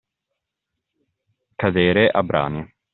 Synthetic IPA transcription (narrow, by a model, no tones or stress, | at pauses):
kad̪eːɾeʔabɾa̰ːni